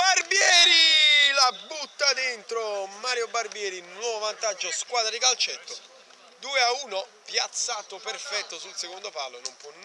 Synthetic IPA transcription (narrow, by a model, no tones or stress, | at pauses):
barbjɛːɾilabut̪ːad̪ent̪ɾomaːɾjobarbjɛːɾinwɔːvovant̪ad͡ʒːoskwaːd̪ɾad̪ikalt͡ʃɛt̪ːo | d̪uːeauːnopjat̪sːaːt̪opɛrfɛt̪ːosulsekond̪opalːonompwɔn